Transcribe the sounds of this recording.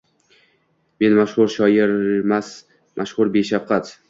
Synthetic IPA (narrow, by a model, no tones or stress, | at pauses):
me̞nmaʃhʊɾʃɒjɪɾmas | mʔaʃhʊɾbeʃafqʰɑt̪